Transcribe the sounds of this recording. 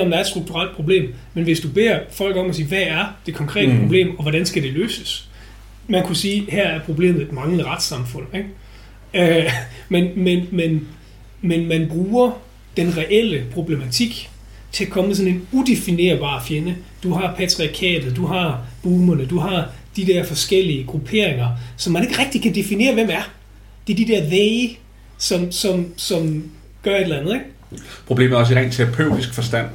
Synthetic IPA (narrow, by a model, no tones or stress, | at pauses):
ɒ̽md̥ɑ̈ɐdsd̥ʁuɡ̥̚t͡sʰuʁal̰d̥̚pʰʁo̝b̥le̝̰ːmmenʋe̝sd̥ub̥e̝̰ːɐfɒ̽l̰ɡ̥ɒ̽mæsiːʋææɐd̥e̝kʰɒ̽ŋkʰʁɛ̰ːd̥əpʰʁob̥le̝̰ːmɒ̽ʋɒɾænsɡ̥æɾ̥e̝løːsəs | mænkʰusiːhæɐæɐpʰʁo̝b̥le̝̰ːmð̩ˠed̥mɑ̈ŋləʁad̥sɑ̈mfɔ̽n̰eɡ̥ | ømenmenmen | menmænb̥ʁuːɐ | d̥enʁɛʔel̰əpʰʁo̝b̥le̝mæt͡sʰiɡ̥ | t͡sʰe̝ækʰɒ̽məsɒ̽ne̝nud̥e̝fine̝̰ːɐb̥ɑ̰̈ːfjenə | d̥uɦɑ̈pʰæt͡sʰʁiɑkʰɛ̰ːd̥ð̩ˠd̥uɦɑ̈b̥uːmɐnəd̥uɦɑ̈ | d̥id̥ɛɐ̰fɒ̽sɡ̥el̰iəɡ̥ʁupʰe̝̰ɐ̰eŋɐsɒ̽mːæne̝ɡ̥ʁɛɡ̥̚d̥ikʰæd̥e̝fine̝̰ːɐʋemæɐ | d̥e̝d̥id̥ɛɐ̰ʋeɪ | sɒ̽msɒ̽msɒ̽m | ɡ̥ɶɐe̝d̥lænð̩ˠeɡ̥ | pʰʁoble̝̰ːm̩æɒ̽s̬əʁɛ̰nt͡sʰeopʰøʊ̰d̥isɡ̥fɒ̽sd̥æn̰